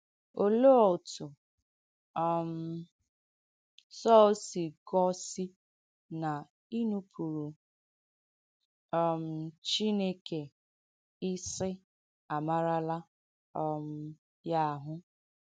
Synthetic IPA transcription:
o˨lo˦ɔ˨tʊ˨ | ɔ˨m̩˨ | sɔ˦o˦si˨ɡɔ˦si˦ | na˨ | i˦nu˦pʰu˨ɾu˨ | ɔ˨m̩˨t͡ʃi˦ne˦ke˨ | ɪ˦sɪ˦ | a˨ma˦ɾa˦la˦ | ɔ˨m̩˦ | ja˦˨ɦʊ˦

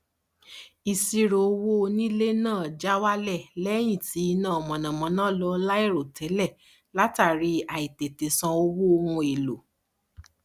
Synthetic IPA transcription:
i˧˨si˧ɾo˨o˧wo˦˧nĩ˦le˦nãː˦˨d͡ʒa˦wa˦lɛ˦˨lɛ˦j̃ĩ˦˨ti˨˦i˧nãː˦˨mɔ̃˨nã˨mɔ̃˨˦nãː˦˨lɔ˨˧la˦i˦˨ɾo˨tɛ˨˦lɛ˦˨ | la˦ta˦˨ɾi˧a˨i˨te˨te˨sã˧o˧wo˦o˧hũ˧e˨lo˨

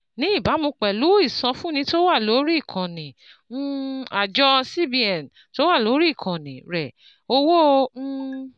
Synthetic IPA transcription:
nĩ˨˦i˦˨ba˨˦mõ˧k͡pɛ˨lu˨˦i˦˨sã˧fũ˦nĩ˧˦to˦wa˦˨lo˨˦ɾi˦˨kʰã˨nĩ˨˦ | a˨d͡ʒɔ˧si˦bi˦ɛ˨n | to˨˦wa˦˨lo˨˦ɾi˦˨kʰã˨nĩ˨ɾɛ˨ | o˧wõ˦˧˦

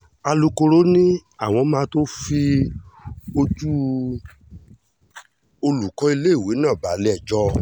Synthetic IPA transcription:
a˧lu˧ko˧ɾo˦nĩ˦a˦˨w̃ɔ̃˧˦mãː˧˦to˦fi˦ | o˧tu˦ | o˧lu˨kɔ̃˨˦i˧le˦i˦˨we˨˦nã˦˨ba˨˦lɛ˦˨d͡ʒɔ˦

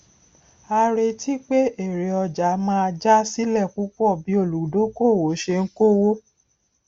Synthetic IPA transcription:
a˧ɾe˧tʰi˦k͡pe˦e˦˨ɾe˨ɔ˧d͡ʒa˨˦mãː˧d͡ʒa˦si˦lɛ˦˨ku˦k͡pɔ˦˨bi˨˦o˦˨lu˨˦do˦ko˦˨wo˨˦ʃe˧ŋ̩˦ko˦wo˦

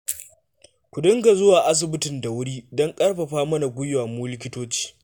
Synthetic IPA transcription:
kʷʊ˨dʊ˦ŋɡa˨zʊ˦waː˨ʔa˦s̬ɪ˨bɪ˦tɪ˨nda˨wʊ˦ɽiː˦dɔ˦ŋkʼɐ˦rɸɐ˨ɸaː˦mɐ˦na˨ɡʷʊ˦jwaː˨mʊ˦lɪ˦kʲɪ˦toː˦t͡ʃi̥ː˦

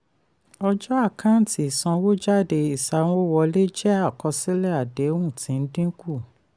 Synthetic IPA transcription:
ɔ˧d͡ʒɔ˦a˦˨kã˦n̩˨˦ti˨i˨sã˧wo˦d͡ʒa˦˨de˧i˨sa˨˦w̃ɔ̃˦wɔ˧le˦d͡ʒɛ˦a˦˨kɔ˧si˦lɛ˦a˨de˨˦ũ˦˨tĩ˨˦n̩˦dĩ˦ku˦˨

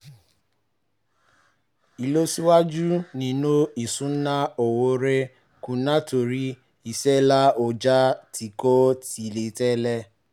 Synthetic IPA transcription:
i˨lo˦si˦wa˦d͡ʒu˦nĩ˨no˦i˨sũ˨˦nã˦o˨wo˧˦ɾe˦ | kũ˨nã˦to˨ɾi˦ | i˦˨sɛ˦la˦o˨d͡ʒa˦tʰi˨ko˦ti˨le˨tɛ˦lɛ˧

